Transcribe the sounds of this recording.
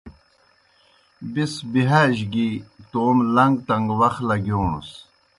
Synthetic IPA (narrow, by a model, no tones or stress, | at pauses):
bisbiɦaːʑɡit̪oːmlɐŋɡt̪ɐŋɡwɐxlɐɡjoːnṵs